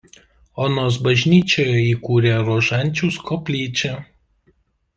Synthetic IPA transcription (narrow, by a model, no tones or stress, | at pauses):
oːnoːs̬bɐʒʲnʲiːt͡ʃʲoːjɛiːkuːɾʲeːɾoːʒɐˑnʲt͡ʃʲuːˑskɔːpʲlʲiːt͡ʃʲɛ